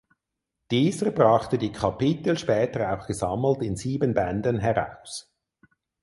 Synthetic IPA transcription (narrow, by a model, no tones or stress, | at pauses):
d̥iːzəbʁɑχtədiːkʰapɪtl̩ʃpɛːtəaʊxɡ̥əzɑml̩tɪnziːbənbɛndənɦɛʁa̰ʊs